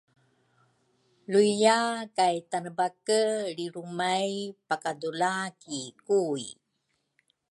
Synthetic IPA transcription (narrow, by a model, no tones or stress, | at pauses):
luijakajtanəbakəɾiɾumajpakadulakikuj